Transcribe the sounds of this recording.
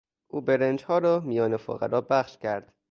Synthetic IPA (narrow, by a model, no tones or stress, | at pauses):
ʔuːbeɾend͡ʒhɒːɾɒːmijɒːnefo̰ɣæ̰ɾɒːbæχʃcʰæɾd̪̥